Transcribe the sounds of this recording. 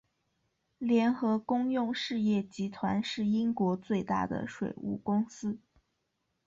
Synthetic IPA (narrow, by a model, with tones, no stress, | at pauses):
ljɛ˧˥nxɤ˧˥kʊ˥ŋjʊ˥˧ŋʂɻ̩˥˧jɛ˥˩t͡ɕi˧˥t̪ʰwa˧˥nʂɻ̩˥˩i˥ŋkwɔ˧˥t͡swe˥˧ɪt̪a̰˥˩d̪ə̰˩ʂwḛ˨˩ɪṵ˥˩kʊ˥ŋsɹ̩˥